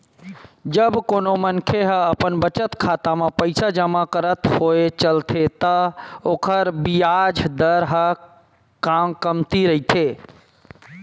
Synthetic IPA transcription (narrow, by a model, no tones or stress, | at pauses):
d͡ʒəbkoːnomənkʰeɦəəpənbət͡ʃət̪kʰaːt̪amãpəɪsad͡ʒəmakəɾət̪hoet͡ʃəlt̪ʰet̪əoːkʰəɾbijad͡ʒʱd̪əɾɦə | kaːmkəmt̪iɾəɦit̪ʰe